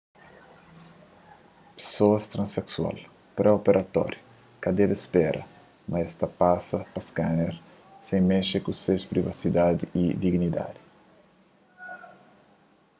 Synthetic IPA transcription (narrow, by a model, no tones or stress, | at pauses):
pe̥soɐst̪ɾɐ̃nseksua̰l | pɾɛopeɾʔɐt̪ɔ̰ɾju | kɐd̪ɛbespɛɾʔɐ̰ | mɐɛst̪ɐpasɐpɐskaneɾ | sẽj̃meʃekusespɾivasid̪ad̪iid̪iɡnid̪a̰d̪i̥